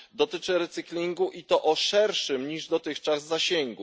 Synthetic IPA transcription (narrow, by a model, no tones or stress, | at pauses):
d̪ɔt̪ɘt͡ʂɘɾɛt̪sɘklʲiŋɡuʔit̪ɔʔɔʂɛɾʂɘmɲiʐd̪ɔt̪ɘxt͡ʂazːaɕeŋɡu